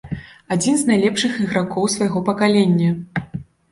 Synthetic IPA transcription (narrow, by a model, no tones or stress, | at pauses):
ad͡zʲinznajlʲɛpʂɨxiɣɾakɔwsvɐjɣɔpɐkalʲenʲːɐ